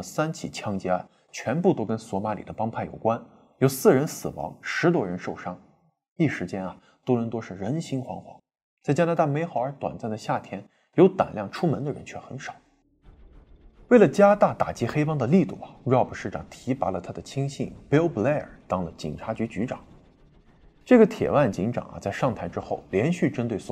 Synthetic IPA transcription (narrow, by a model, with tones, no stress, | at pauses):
sa˥nt͡ɕʰḭ˨˩t͡ɕʰjɑ˥ŋt͡ɕjɛ˥a˥˩ | t͡ɕʰɥɛ˧˥npu˥˩t̪o˥ʊkə˥nswɔ˧˥ma˧˥lḭ˨˩d̪ə˦pɑ˥ŋpʰa˥˩ɪjo˨˩ʊkwa˥n | jo˨˩ʊsɹ̩˥˩ɻə˧˥nsɹ̩˨˩wɑ̰˧˥ŋʂɻ̩˧˥t̪̬wɔ˥ɻə˧˥nʂo˥˩ʊʂɑ˥ŋ | i˥˩ʂɻ̩˧˥t͡ɕjɛ˥nɐ˨ | t̪o˥ʊɻə˧˥nt̪wo˥ʂɻ̩˥˩ɻə˧˥nɕi˥ŋxwɑ̰˧˥ŋxwɑ̰˧˥ŋ | t͡sa˥˩ɪt͡ɕja˥na˧˥t̪a˥˩me˧˥ɪxɑ˨˩ʊə˞˧˥t̪wa̰˨˩nt͡sa˥˩ɪd̪ə˩ɕja˥˩t̪ʰjɛ˥n | jo˧˥ʊt̪a̰˨˩nljɑ˥˩ŋʈ͡ʂʰu˥mə˧˥nd̪ə˧ɻə̰˧˥nt͡ɕʰɥɛ˥˩xə˧˥nʂɑ˨˩˦ | we˥˩ɪlə˩t͡ɕja˥t̪a˥˩t̪a̰˨˩t͡ɕi˧˥xe˥ɪpɑ˥ŋd̪ə˨li˥˧t̪u˥˩ɐ˨˩˥ɑ˥˧˩pə˨˩ʂɻ̩˥˩ʈ͡ʂɑ˨˩ŋt̪ʰi˧˥pa˧˥lə˧t̪ʰa˥d̪ə˨t͡ɕʰi˥ŋɕḭ˥˩ŋpi˥lblɛ˥ə̰˨˩t̪ɑ˥ŋlə˨t͡ɕḭ˨˩nʈ͡ʂʰa˧˥t͡ɕy˧˥t͡ɕy˧˥ʈ͡ʂɑ̰˨˩˦ŋ | ʈ͡ʂɤ˥˩ɡə˩t̪ʰjɛ̰˨˩wa˥˩nt͡ɕi˧˥ŋʈ͡ʂɑ̰˨˩˦ŋɐ̰˦t͡sa˥˧ɪʂɑ˥˩ŋt̪ʰa˧˥ɪʈ͡ʂɻ̩˥xo˥˩ʊljɛ˧˥nɕy˥˩ʈ͡ʂə˥nt̪we˥˩ɪs